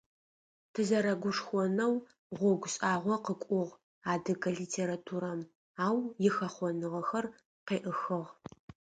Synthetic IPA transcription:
tʰɨzɐɾɐɡʷʊʂxʷɔnɐw | ʁʷɔɡʷʊɕʼaːʁʷɔqəkʷʼʊʁ | aːdɨɡɐɮiːtʰeːɾatʰuːɾɐm | aːwjɪxɐχʷɔnɨʁɐxɐr | qeːʔəxɨʁ

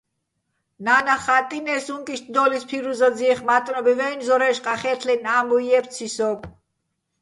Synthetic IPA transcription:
nanaχat̪ʼinɛsuŋkʼiʃt̪ʰd̪ɔlispʰiɾuzad͡ziːχmat̪ʼnɔbivɛinzɔɾɛʃqʼaχɛt̪ʰlɛnaːmbɔiɛp̪t͡sʰisɔpʰ

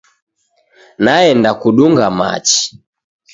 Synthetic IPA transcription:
naɛndakuɗuŋɡama̰t͡ʃi̥

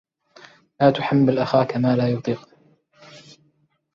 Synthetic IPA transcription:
laːt̪ʊħamːalʔaxaːkamaːlaːjʊt̪ˤiːq

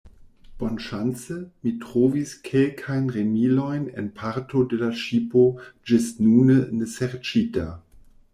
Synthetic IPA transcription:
b̥onʃant͡səmitʁoviskʰelkʰajnʁemilojnḛnpʰaɾtʰodelaʃipod͡ʒɪstnunəneseʁt͡ʃita

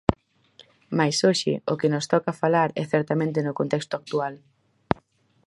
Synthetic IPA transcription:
majsoʃɪ̰okɪnʊst̪ɔkafalaɾɛ̰θɛɾt̪amẽnt̪̬ɪnʊkõnt̪ɛkst̪ʊak̚t̪ual

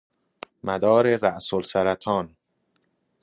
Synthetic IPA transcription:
mʔæd̪ɒːɾeɾæʔsolsæɾæt̪ʰɒːn

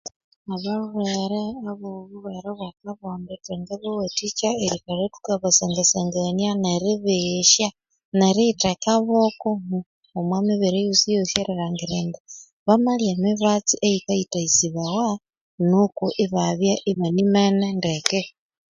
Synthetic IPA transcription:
aβaβuweɾeaβoβuβweɾeβwakaβoːmbeteŋɡeβowetit͡ʃaeɾikaɾetu̥kaβaseŋɡeseŋɡanjaneɾiβiʃja | neɾitekaβokoŋu | omwamiβiɾejusijoʃeɾeɾaŋɡiɾeːŋɡe | βamaljemiβat͡siʔeikaitaisiβawa | nukuʔiβaβjaʔiβanimenendeke

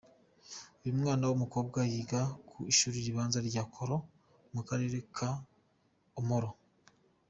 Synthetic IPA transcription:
oɾimŋaːnawomuko̞ːb̚ɡajiːɡakʰuiʃuːɾiɾiβaːnzaɾɟaːkʰoɾo | mukaɾe̞ːɾe̞kʰa | omhoɾo

